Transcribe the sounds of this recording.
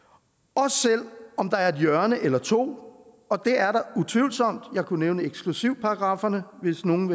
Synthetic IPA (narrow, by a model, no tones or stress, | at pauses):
ɒ̽sel̰ɒ̽md̥ɑ̈æɐe̝d̥jœɐnəʔelɐt͡sʰo̝̰ː | ɒ̽d̥e̝æɐɾɑ̈ut͡sʰʋiʊlsɒ̽m̰d̥jɑ̈ɪkʰuneʊnəeɡ̥sɡ̥lusiʊ̰pʰɑ̈ːɡ̥ʁɑ̈ːfɐnəʋe̝sno̝ːn̩